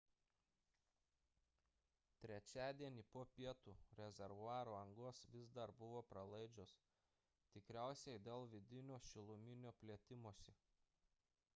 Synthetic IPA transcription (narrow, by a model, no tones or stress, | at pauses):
t̪ʲɾʲɛt͡ʃʲæːd̪ʲiɛnʲiːpoːpʲiɛt̪uːɾʲɛzʲɛɾʋʊɑːɾoːɐŋɡoːsʋʲɪzd̪ɐɾbʊʋoːpɾɐlˠɐɪd͡ʒʲos | t̪ʲɪkɾʲæˑʊsʲɛɪd̪ʲeːlˠʋʲɪd̪ʲɪnʲoːʃʲɪlˠʊmʲɪnʲoːpʲlʲiɛt̪ʲɪmoɔsʲɛ